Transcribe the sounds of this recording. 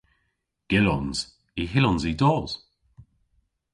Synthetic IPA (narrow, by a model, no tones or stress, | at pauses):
ɡ̥ɪlɔnz̥ | iɦɪlɔnzidɔːz̥